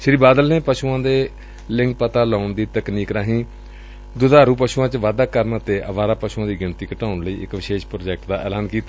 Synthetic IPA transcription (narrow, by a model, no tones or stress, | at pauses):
ʃɾiːbaːd̪əlneːpəʃuːãːd̪eː | lɪŋk̚pət̪aːlaːʊɳd̪iːt̪əkniːkɾaːɦĩː | d̪ʊd̪aːɾuːpəʃuːãːt͡ʃʋaːd̪aːkəɾnt̪eːʔəʋaːɾaːpəʃuːãːd̪iːɡɪnt̪iːkəʈaːʊɳləḭːɪkʋɪʃeːʃpɾoːd͡ʒɛːk̚ʈd̪aːʔɛːlaːnkiːt̪a